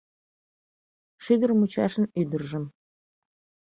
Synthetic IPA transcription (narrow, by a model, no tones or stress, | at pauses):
ʃiɡ̪ə̆rmut͡ɕɑʃə̆nyd̪ɘ̆rʒɘ̆m